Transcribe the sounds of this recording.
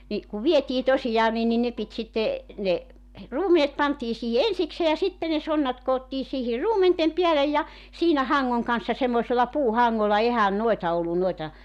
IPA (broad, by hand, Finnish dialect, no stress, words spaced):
ni kuʋ ʋietiː tosijɑː nin ni ne pit sitːe ne ruːmenet pɑntiː siːhi ensikseː jɑ sitːe ne sonːɑt koːtːiː siːhir ruːmentem piælej jɑ siːnæ hɑŋːoŋ kɑn̞sːɑ semːoĕselːɑ puːhɑŋːolːɑ ehæn noetɑ olːun noetɑ